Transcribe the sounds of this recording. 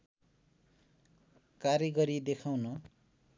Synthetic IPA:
karjʌɡʌɾid̪ekʰawnʌ

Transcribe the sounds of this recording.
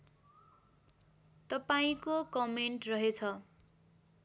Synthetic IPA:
t̪ʌpaĩkokʌmeɳʈrʌɦet͡sʰʌ

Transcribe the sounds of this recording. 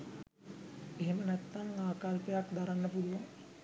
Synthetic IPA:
eɦemənɛt̪ːaŋaːkalpəjakd̪aɾanːəpuluʋaŋ

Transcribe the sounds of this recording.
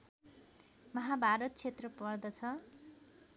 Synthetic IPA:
mʌɦabʱaɾʌt̪̚t͡sʰet̪rʌpʌrd̪ʌt͡sʰʌ

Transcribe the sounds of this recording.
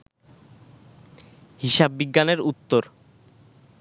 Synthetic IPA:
ɦiʃabːiɡːaneɾut̪ːoɾ

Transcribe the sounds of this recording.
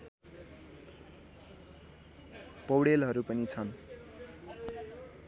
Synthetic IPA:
pʌwɽelɦʌɾupʌnit͡sʰʌn

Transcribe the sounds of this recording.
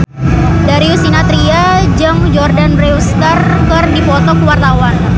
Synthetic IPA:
daɾiusinat̪ɾia | d͡ʒaŋd͡ʒɔrdanreust̪ar | kɨrdifɔt̪ɔkəwart̪awan

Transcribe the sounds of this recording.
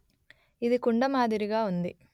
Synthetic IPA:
id̪ikuɳɖɐmaːd̪iɾiɡaːund̪ḭ

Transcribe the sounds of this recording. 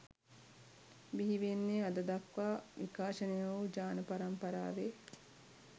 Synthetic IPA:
biɦiʋenːead̪əd̪ɐkʋaːʋikaːʃənejɐʋud͡ʒaːnəpaɾɐmpɐɾa̰ːʋe

